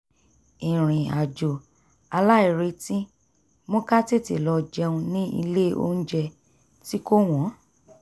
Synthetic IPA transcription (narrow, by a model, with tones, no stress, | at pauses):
ĩ˨ɾ̃ĩ˨a˨d͡ʒo˨ | a˧la˦i˨ɾe˧tĩ˦ | mõ˦ka˦te˦˨ti˨lɔ˧d͡ʒɛ˧ũ˧nĩ˦ʔḭ˧le˦˨o̰˦n̩˦d͡ʒɛ˧ | ti˦ko˦w̃ɔ̃˨˦